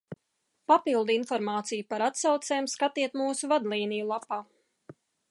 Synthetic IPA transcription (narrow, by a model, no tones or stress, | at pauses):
papilˠd̪infɔɾmaːt̪sijupaɾat̪sawt̪sɛːmskat̪iɛt̪muːsuvad̪lˠiːnijulˠapaː